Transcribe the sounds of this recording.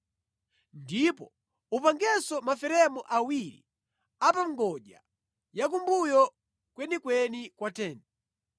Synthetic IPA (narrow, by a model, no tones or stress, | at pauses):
ndipɔ | upaŋɡɛsɔmafɛɾɛmɔʔawiɾḭ | apaŋɡɔʄa̰ | jak̬umbujɔ | kwɛnikwɛnikwatɛːnɛ